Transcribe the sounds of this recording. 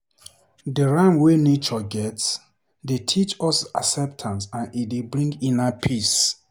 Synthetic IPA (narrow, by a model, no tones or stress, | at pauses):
dəɹãmwenet͡ʃɔɡɛts | detʰit͡ʃɔsa̰sɛp̚tʰãnsãnidebɹĩŋɡĩnapʰis